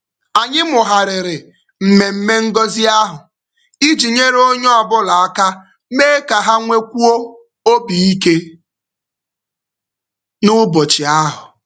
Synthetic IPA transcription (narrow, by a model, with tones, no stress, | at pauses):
a˨ɲɪ˦mʊ˨ɦa˨ɾɪ˨ɾɪ˨ | m̩˨me˨m̩˦me˦ŋ̩˦ɡɔ˦zi˦a˦ɦʊ˨ | i˦d͡ʒi˨ɲe˦ɾo˦ɲɔ˦ɔ˦bʊ˦la˨a˦ka˦ | me˦ka˨ɦa˦ŋʷe˦kʷu˦o˦ | o˦bi˨i˦ke˦ | nʊ˦bɔ˨t͡ʃɪ˨a˦ɦʊ˨